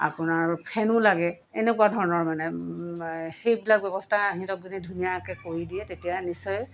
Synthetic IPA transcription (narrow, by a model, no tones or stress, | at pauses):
a̰pʊnaɹpʰɛnʊlaɡɛ | ɛnɛkuadʱɔɹɔnɔɹmanɛ | xejbilak̚bɛbɔstʰaɦĩtɔk̚zunidʱunijakɛkoɹidiɛtetijanisɔj